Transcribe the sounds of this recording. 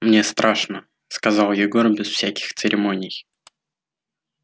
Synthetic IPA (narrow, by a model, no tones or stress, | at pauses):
mnʲe̞st̪ɾaʂnə | skɐzɑlˠjɪɡo̞rbʲɪsfsʲækʲɪ̥xt̪sɨɾʲʔɪmo̞nʲɪj